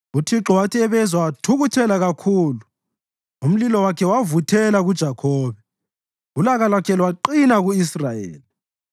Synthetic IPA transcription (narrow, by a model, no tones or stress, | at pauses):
utʰiǁɔwatʰiɛβɛzwawatʰuɣutʰɛlaɣakʰuːlu | um̩lilɔwakʰɛwavutʰɛlaɣud̥ʒ̥ʱakʰɔːβɛ | ulaɣalwakʰɛlwaǃinaɣuisrajḛːli